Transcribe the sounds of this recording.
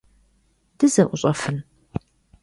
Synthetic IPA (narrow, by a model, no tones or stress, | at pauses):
dɨzɐʔʷʊɕʼɐfɨn